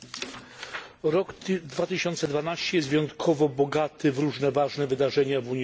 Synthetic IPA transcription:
ɾɔɡd̪vat̪ɘɕɔnt̪sɛd̪vanaɕt͡ɕɛjɛsvʲjejɔnt̪kʰɔvɔbɔɡat̪ɘvɾuʐnɛvaʐnɛvɘd̪aʐɛɲavuɲ

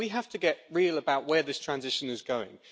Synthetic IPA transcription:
wiɦaftəɡɛʔɹiːlˠəbaʊʔwəðɪstʰɹ̥ãnzɪʃə̃nɪzɡəʊɪ̰̃ŋ

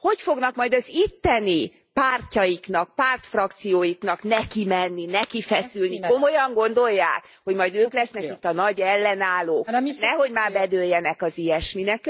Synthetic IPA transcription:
ho̞cfo̞ɡnɒkmɒjd̪ɒzit̪ːɛni | paːrcɒjiknɒk̚paːrt̪frɒkt̪sijoːjiknɒknɛkimɛnːinɛkifɛsylniko̞mo̞jɒŋɡo̞nd̪o̞jːaːk | ho̞ɟmɒjd̪øːklɛsnɛkit̪ːɒnɒɟɛlːɛnaːloːknɛɦo̞ɟmaːrbɛd̪øːjːɛnɛkɒzijɛʃminɛk

